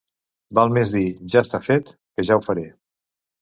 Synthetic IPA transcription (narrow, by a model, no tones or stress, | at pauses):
balˠmezðiʒast̪afet̪kəʒawfəɾe